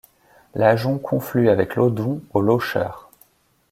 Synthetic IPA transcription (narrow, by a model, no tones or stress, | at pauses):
laʒɔ̃kʰɔ̃flyavɛklod̪ũoloʃœ̰ːʁ